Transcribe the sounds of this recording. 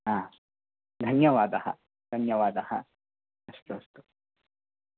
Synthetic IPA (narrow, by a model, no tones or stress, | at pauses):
ãː | d̪ʱɐnjɐʋaːd̪ɐhɐ̰ | d̪̥ʱɐnjɐʋaːd̪ɐhɐ̰ | ɐst̪uɐst̪u̥